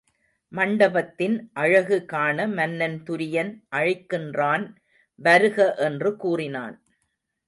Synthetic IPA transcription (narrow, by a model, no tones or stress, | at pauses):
mɐɳɖɐbɐt̪ːɪnʔɐɻɐɣɯkaːnɐmɐnːɐnt̪ʊɾɪjɐnʔɐɻɪkːɪndraːn | ʋɐɾɯɣɐʔɛndrɯkuːrɪna̰ːn